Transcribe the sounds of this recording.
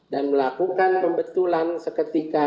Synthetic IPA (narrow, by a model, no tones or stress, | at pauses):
danməlakukanpəmbət̪ulansəkət̪ika